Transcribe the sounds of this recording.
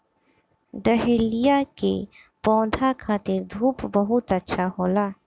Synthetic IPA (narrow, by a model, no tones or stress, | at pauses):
ɖəɦelijakḛ | pɔ̃ːd̪ʱakʰaːt̪ɪɾd̪ʱuːpbəɦʊt̪ətːʃʰaɦoːlaː